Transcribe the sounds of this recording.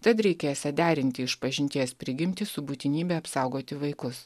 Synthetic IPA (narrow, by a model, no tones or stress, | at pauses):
t̪ɐt̪ɾʲɛɪkʲeːjsʲɛd̪ʲæːɾʲɪnʲt̪ʲɪɪʃpɐʒʲɪnʲt̪ʲiɛspʲɾʲɪɡʲɪmʲt̪ʲɪsʊbuːt̪ʲɪnʲiːbʲɛːɐpsɑˑʊɡoːt̪ʲɪʋɐɪkʊs